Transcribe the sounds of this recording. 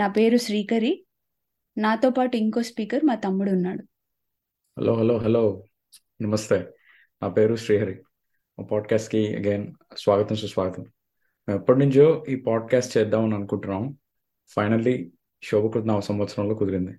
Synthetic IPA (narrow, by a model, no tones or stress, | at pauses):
naːpe̞ːɾuʃɾiːkɐɾi | naːt̪o̞ːpaːʈuiŋko̞ːspiːkɐɾmaːt̪ɐmːuɽunːaːɽu | hɛ̰lʔoːɦɛloːɦɛloː | nɐmɐst̪eː | naːpe̞ːɾuʃɾiːɦɐɾi | oːpaːɖkaːsʈkiɐ̰ɡeːnsʋaːɡɐt̪ɐmsusʋaːɡɐt̪ɐm | mɛpːɐʈnuɲt͡ʃo̞ːiːpaːɖ̚kaːsʈt͡ʃɛːd̪aːmɐnɐnukuɳʈɾaːm | fpʰɐjnɐlːi | ʃoːbɐkɾut̪nɐʋɐsɐɾɐmʋɐt̪sɐɾɐmlo̞ːkud̪iɾind̪i